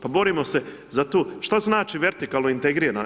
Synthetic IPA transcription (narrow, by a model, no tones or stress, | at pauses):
pabo̞ɾimo̞se̞ | zat̪oːʃt̪aznaːt͡ʃiʋe̞ɾt̪ikaːlˠnoint̪eɡɾiːna